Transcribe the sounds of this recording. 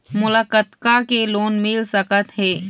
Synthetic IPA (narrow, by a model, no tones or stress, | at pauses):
mʊləkət̪kakeloːnmɪlsəkət̪ɦɛː